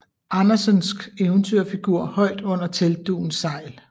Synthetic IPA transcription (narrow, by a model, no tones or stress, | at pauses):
ɑnɐsənsɡ̥eʊnt͡sʰyɐ̰fiɡ̥uɐ̰hɒ̽ɪ̰d̥ɔ̽n̰ɐt͡sʰeld̥ṵːn̩sɑ̈ɪ̰l